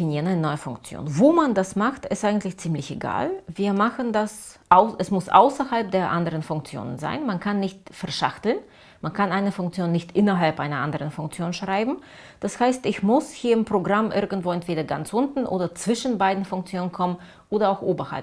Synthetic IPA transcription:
finiːʁənannɔʏəfʊŋkt͡sjo̰ːnvoːmandasmaxtɪstʔaɪɡŋ̩tlɪçt͡siːmlɪçeɡa̰ːlviːɐmaχəndas | ʔaʊɛsmʊsʔa̰ʊsɐhalp̚d̥eːɐʔandəʁ̞ənfʊŋk̚t͡sjo̰ːnə̰nza̰ɪnmankʰanːɪçtfɛɐʃaχtl̩n | mankʰanʔaɪnəfʊŋk̚t͡sjoːnːɪçtʔɪnɐɦalpʔaɪnɐʔandəʁənfʊŋk̚t͡sjoːnʃʁ̥aɪbm̩ | d̥ashaɪstɪçmʊshiːɐɪmpʁ̥oɡʁamʔɪɐɡŋ̩tv̥oːɛntv̥eːdɐɡa̰nt͡sʔʊntn̩ʔo̰ːdɐt͡sv̥ɪʃn̩baɪdn̩fʊŋk̚t͡sjoːnənkʰɔmən | ʔoːdɐaʊxʔoːbɐha̰lp

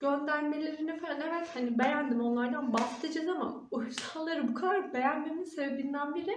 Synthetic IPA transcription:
ɟ̥ø̞nd̪æɾme̞lʲe̞ɾinifɛnevɛt̪hanibe̞jænd̪imo̞nlˠaɾd̪anbast̪ʰɯd͡ʒɯnama̰ | ujusanlˠaɾɯbukʰad̪aɾbe̞jænme̞minse̞bebind̪ænbiɾi

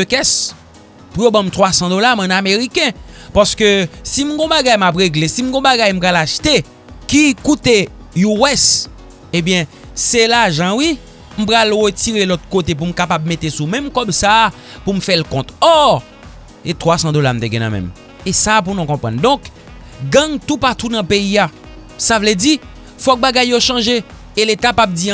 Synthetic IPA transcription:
økɛs | pujobãmt̪ʁwasɑ̃d̪olamɛ̃nameʁikɛ̃paskøsim̩ɡɔ̃baɡajmap̬ʁeɡlesim̩ɡɔ̃baɡajm̩pɣalaʃt̪e | kikut̪e | juwɛs | ebjɛ̃ | selaʒãwi | m̩pɣalʁətiʁelɔt̪̚kot̪̬ep̬um̩kapab̚met̪esumɛ̃mkɔbsa | pum̩fɛlkɔ̃t̪ɔ | et̪ʁwasɑ̃d̪olam̩t̪eɡɛ̃nã̰mɛ̰̃m | esap̬unɔ̃kɔ̃pʁãnd̪ɔ̃k | ɡɐ̃ŋt̪upat̪unɐ̃peia | savlɛdi | fɔk̚baɡajːoʃɑ̃ʒe | eletapap̚d͡zĩ

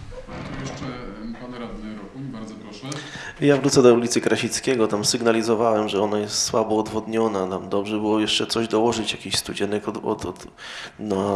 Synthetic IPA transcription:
jɛʂt͡ʂɛpanɾad̪nɾɔkubaɾzɔɾɔʂɛjavɾut̪sɛd̪ɔulʲit̪sɘkɾaɕit̪skʲɛɡɔt̪amsɘɡnalʲizɔvawɛmʐɛɔnajɛst̪swabɔːd̪vɔd̪ɲɔnat̪amd̪ɔbʐɛbɘwɔjɛʂt͡ʂɛt̪sɔʑd̪ɔwɔʐɘt͡ɕjakʲiɕst̪ud͡ʑɛnɛkɔd̪ɔ̰t̪ɔd̪ | na

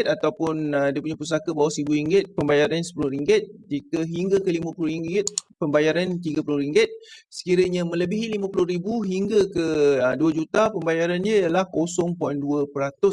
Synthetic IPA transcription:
t̪at̪awpʊnədiaəpuɲapus̬akabawaʔsɾibuiŋɡɪt̪̚pəmbajaɾansə̥pulʊhɾiŋɡɪt̪̚d͡ʒikəɦiŋɡakəlimãpulʊɾiŋɡɪt̪̚pəmbajaɾant̪̬iɡapulʊɾiŋɡɪt̪̚sə̥kiɾəɲamə̃ləbiɦilimãpulʊhɾibuɦiŋɡakəduad͡ʒut̪apəmbajaɾanɲãajalahkosɔŋpɔjnduəpəɾat̪ʊs

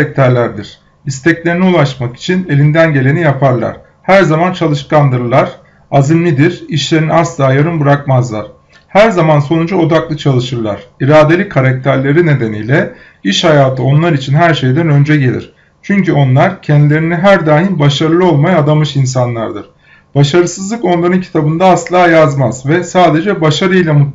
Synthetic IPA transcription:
ak̚t̪ʰæɾlʲæɾd̪iɾ̥ | ist̪ʰɛclʲe̞ɾiniulˠaʃmaki̥t͡ʃʰine̞lʲind̪ænɟe̞lʲe̞nijapʰaɾlˠa̰ɾ̥ | hæɾzamant͡ʃʰalˠɯʃkand̪ɯɾlˠaɾ̥ | azimlʲid̪iɾiʃlʲe̞ɾiniaslˠaːjaɾɯnbɯɾak̚mazlˠa̰ɾ̥ | hæɾzamanso̞nud͡ʒuo̞d̪aklˠɯt͡ʃʰalˠɯʃɯɾlˠa̰ɾ̥iɾaːd̪e̞lʲikʰaɾac̚t̪ʰæɾlʲe̞ɾine̞d̪e̞nijlʲɛ | iʃhajaːt̪ʰɯo̞nlˠaɾit͡ʃʰinɦæɾʃe̞jd̪ænø̞nd͡ʒɛɟe̞lʲḭɾ̥ | t͡ʃʰyɲcyo̞nlˠaɾcʰɛnd̪ilʲe̞ɾinɛɦæɾd̪aːɦinbaʃaɾɯlˠɯo̞lˠmajaːd̪amɯʃins̬anlˠa̰ɾd̪ɯɾ̥ | b̥aʃaɾɯsɯzlˠɯko̞nlˠaɾɯncʰi̥t̪ʰabɯnd̪aːslˠaːjazmazvɛsaːd̪e̞d͡ʒɛbaʃaɾɯjlʲˠamu

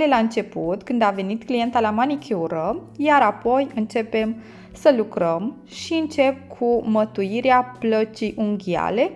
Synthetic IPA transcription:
lelaɨnt͡ʃe̞put̪kɨnd̪ave̞nit̪klije̞nt̪alamanikʲʰeuɾə | jaɾapo̞jɨnt͡ʃe̞pe̞m | səlukɾəm | ʃiɨnt͡ʃe̞p̚kʰumət̪ujiɾeaplət͡ʃijʔuŋɡʲia̰le̞

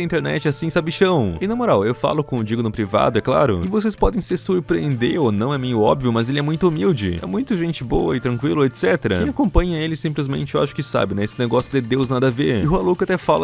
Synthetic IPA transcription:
ɐĩt̪eɾnɛ̰t͡ʃɪɛasĩsabiʃɐ̃w̃ɪnɐmoɾawewfa̰lʊkõʊd͡ʒiɡʊnʊpɾiva̰d̪ʊɛkla̰ɾʊ̰ɪvosespɔd̪ẽj̃sɪsuɾpɾiẽnd̪eɾonɐ̃w̃ɛmĩj̃ʊɔ̰bvijʊmɐzelɪɛmũj̃t̪ʊumiwd͡ʒɪ̰ɛ̰mũj̃t̪ʊʒẽnt͡ʃɪboɐɪt̪ɾɐ̃kwilʊet̪sɛt̪eɾɐẽakõpɐ̃ɲɐelɪsĩmplɪzmḛ̃nt͡ʃɪewa̰ʃʊ̥kɪsa̰bɪnɛesɪneɡɔsjʊd̪ɪd̪ewznad̪ɐveɾɪɦualokat̪ɛfalɐ

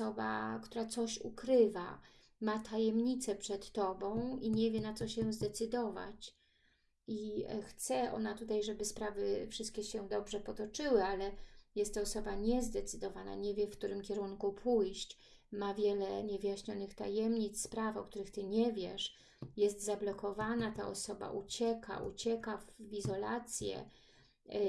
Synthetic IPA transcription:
ɔba̰kt̪uɾat̪sɔɕṵkɾɘva̰ | mat̪ʰajɛmɲit̪sɛpʂɛt̪ːɔbɔ̃w̃iɲɛvʲjɛnat̪sɔɕɛzd̪ɛt̪sɘd̪ɔva̰t͡ɕ | ixt̪sɛʔɔ̰nat̪ut̪ajʐɛbɘspɾavɘfʂɘst̪kʲɛɕɛd̪ɔbʐɛpɔt̪ɔt͡ʂɘwɘalɛjɛst̪ːɔːsɔbaɲɛzd̪ɛt̪sɘd̪ɔvana̰ɲɛvʲjɛfkt̪uɾɘmkʲɛɾuŋkupʰujɕt͡ɕ | mavʲjɛlɛɲɛvɘjaɕɲɔnɘxt̪ajɛmɲit̪sspɾafɔ̰k̚t̪uɾɘxt̪ɘɲɛvʲjɛʂ | jɛst̪zablɔkɔvanat̪a̰ʔɔ̰sɔba̰ʔut͡ɕɛka̰ʔṵt͡ɕɛkavizɔla̰t̪sʲjɛ̰

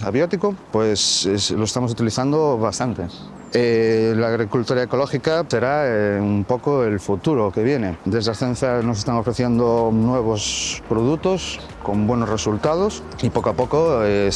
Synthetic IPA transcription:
aβjot̪ikopwe̞sesloest̪amo̞sut̪iliθand̪oβast̪ant̪e̞ | elaːɣɾikult̪oɾaeko̞lo̞xikase̞ɾaeumpo̞koe̞lfut̪uɾoke̞β̞je̞ne̞d̪e̞zðaθen̟θjanos̬e̞st̪aŋo̞fɾeθje̞nd̪onwe̞β̞ospɾoð̞ut̪os | ko̞mbwe̞nore̞sult̪að̞os | ipokoapo̞koe

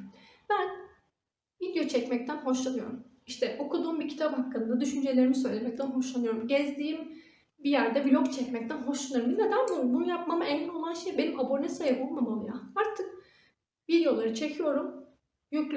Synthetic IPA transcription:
bæn | vid̪jo̞t͡ʃʰɛcmɛc̚t̪ʰænɦo̞ʃlˠanɯjo̞̰ɾum | iʃt̪ʰɛʔo̞kʰud̪uːmbicʰi̥t̪ʰaphakːɯnd̪ad̪yʃynd͡ʒe̞lʲeɾimisø̞jlʲemɛc̚t̪ænɦo̞ʃlˠanɯjo̞ɾumɟɛzd̪iːim | bijæɾd̪ɛbilʲokt͡ʃʰɛcmɛc̚t̪ʰænɦo̞ʃlˠanɯɾɯmd̪inɛd̪anbubunjap̚mamaɛnːino̞lˠanʃejbenimabo̞nʲesajabolˠmamamˠjaaɾt̪ʰɯk | vid̪ejo̞lˠaɾɯt͡ʃʰe̞cʰijo̞ɾum | jyklʲ

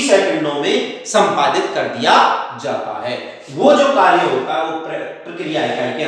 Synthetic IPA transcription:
sɛːkə̃ɳɖõmẽsɐ̃mpaːd̪ɪt̪kɐɾd̪ijad͡ʒaːt̪a̰ɦɛː | ʋod͡ʒoːkaːɾjəɦok̪aoppɾɐkɾijaɦɛkaːikɛ

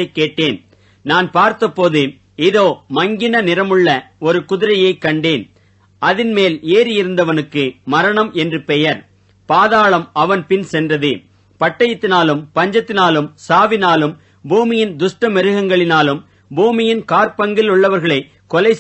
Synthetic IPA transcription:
ɐɪkːeːʈːeːn | naːnpaːɾt̪ɐpːoːðɯ | ɪðoːmɐŋɡɪnɐnɪɾɐmɯɭːɐɔɾɯkʊðɪɾɐjɐɪkːɐɳɖeːn | ʔɐðɪnmeːleːɾɪjɪɾɯnd̪ɐʋɐnɯkːɯmɐɾɐɳɐmʔɛndrɯpɛjɐɾ | paːðaːɭɐmɐʋɐnpɪnsɛndrɐðɯ | pɐʈːɐjɐt̪ːɪnaːlɯmpɐɲd͡ʒɐt̪ːɪnaːlɯmsaːʋɪnaːlɯm | buːmɪjɪnd̪ʊʂʈɐmɛɾɯɣɐŋɡɐɭɪnaːlɯm | buːmɪjɪnkaːɾpɐŋɡɪlʊɭːɐʋɐɾɣɐɭɐɪ | kɔlɐɪ

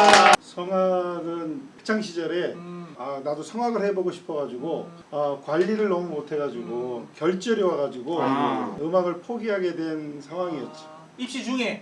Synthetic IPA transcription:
sʰʌŋwaɡɯnpʰek̚t͡ɕʰaŋɕʰid͡ʑʌɾe̞anadosʰʌŋɦwaɡɯɭhe̞boɡoɕʰi̥pʰʌɡad͡ʑuɡo | ʌkwaʎːiɾɯɭnʌmumotʰe̞ɡad͡ʑiɡokjʌɭt͡ɕ͈ʌɾjiwaɣad͡ʑiɡoɯmaɡɯɭpʰoɡiɦaɡe̞dwe̞nsʰaŋɦwaŋiʌt̚t͡ɕ͈i̥ | iɕ͈id͡ʑuŋe

